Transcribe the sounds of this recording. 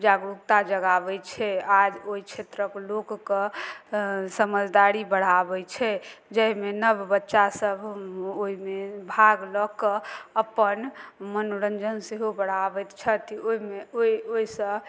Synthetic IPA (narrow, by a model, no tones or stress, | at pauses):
d͡ʒaɡɾukt̪ad͡ʒəɡabɛt͡ʃʰɛad͡ʒoit͡ʃʰet̪ɾəklokːɔ | səməd͡ʒd̪aɾibəɽ̤abɛt͡ʃʰɛd͡ʒəɦmenəbbətːʃasəbʱoimebʱaɡlɔkəəpːənmənoɾənd͡ʒənseɦobəɽ̤abɛt̪t͡ʃʰɛt̪ioimeoioisə̃